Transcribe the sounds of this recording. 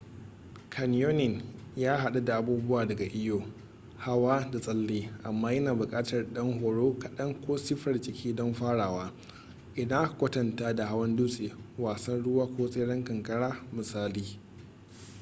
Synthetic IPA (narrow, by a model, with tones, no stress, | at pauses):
kʰɐ˨njoː˦nɪ˨njaː˦ɦa˨ɗa˦da˨ʔa˨buː˦bʊ˦waː˨dɐ˨ɡa˨ʔɪ˦joː˨ | ha˦waː˦da˨sʼɐ˦lːeː˦ʔa˨mːaː˦jɐ˦naː˨bʊ˨kʼaː˦tɐ˨rɗɐ˦ŋɦoː˨ɽoː˦kɐ˨ɗɐ˦ŋkʷoː˦sɪ˦ɸɐ˨rt͡ʃʼɪ˨kʲʰiː˦dɔ˦mɸaː˦ɽaː˨waː˦ | ʔɪ˨da˦ʔa˨kʷɐ˦tɐ˨ntaː˦da˨ɦa˦wɐ˦nduː˦sʼeː˨waː˨sɐ˦nɽʊ˦waː˦kʷoː˦sʼeː˦ɽɐ˦ŋkɐ˨ŋkʼɐ˦ɽaː˦mɪ˨saː˦liː˦